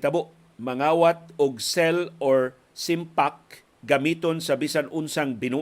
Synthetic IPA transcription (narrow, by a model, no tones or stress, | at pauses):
t̪ɐboʔ | mɐŋaːwat̪̚ʊɡsɛloɹ | sɪmpak̚ | ɡɐmiːt̪onsɐbisanʔʊnsaŋbɪnu